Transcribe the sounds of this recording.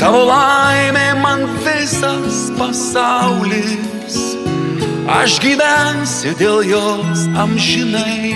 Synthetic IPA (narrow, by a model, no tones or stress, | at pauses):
t̪ɑːʋolˠɐɪmʲeːmɐnʋʲɪsɐspɐsɑʊlʲɪ | s | ɐ̰ʃɡʲiːʋʲænsʲʊd̪ʲeːlˠjoːsɐmʲʒʲɪnɐɪ